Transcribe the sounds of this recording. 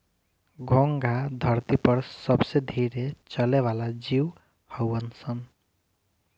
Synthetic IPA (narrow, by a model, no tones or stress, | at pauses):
ɡʱoŋɡʱad̪ʱʌɾt̪ipʌɾsʌbsed̪ʱiɾet͡sʌleβalad͡ziw | hʌwʌnsʰʌn